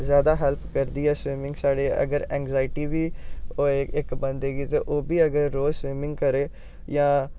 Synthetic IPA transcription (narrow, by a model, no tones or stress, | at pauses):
zjaːd̪aːɦɛlpʰkəɾd̪iːɦɛːsʋiːmɪ̃ŋɡsaːɽeːə̰ɡəɾɛ̃ːŋɡzaːɪʈiːʋiːoːɪkbə̃nd̪eːɡiːt̪ḛːʔoːbiːəɡəɾːoːswiːmɪ̃ŋɡ̚kəɾeː | jãː